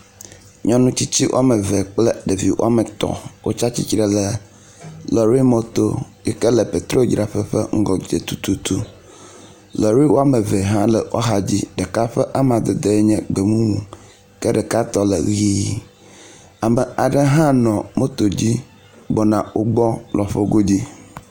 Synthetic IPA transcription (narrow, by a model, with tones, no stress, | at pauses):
ɲɔ̃˦nũ˦t͡ɕi˦t͡ɕi˦wʔo̰˦a˦mə˨vɛ˨k͡plɛ˦ɖe˨vi˨wo̰˦a˦mə˨t̪ɔ̰˨wo̰˦t͡ʃa˦t͡ɕi˦t͡ʃɾe˨lə˦ | lɔ˨ɾi˦mɔ̃˨t̪o˦jɛ˦kə˦lə˨pe˨t̪ɾo˦d͡ʒɾa˨ɸə˦ɸə̰˦ŋ̩˦ɡɔ˨d͡ʒe˨t̪u˦t̪u˦t̪u˦ | lɔ˨ɾi˦wo˦a˦mə˨vɛ˨ɦã˦lə˨wɔ̰˦ɦa˨d͡ʑi˦ɖə˨ka˦ɸɛ˦ʔa˦m˨a˨d̪e˨d̪e˦e˦ɲɛ̃˦ɡ͡be˨mũ˦wũ˨ | kə˦ɖə˨ka˦t̪ɔ˦lə̰˨ɣiː˦ | a˨mə˨a˨ɖə˦ɦã˦nɔ̃˨mõ˦t̪o˨d͡ʑi˦ | ɡ͡bɔ˨nã˨wo˦ɡ͡bɔ˦lɔ˨ɸo˦ɡo˦d͡ʑi˦